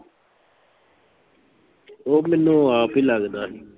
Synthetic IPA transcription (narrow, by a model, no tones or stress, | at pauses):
oːmɛːnũːaːpiːləɡd̪aːɦɛː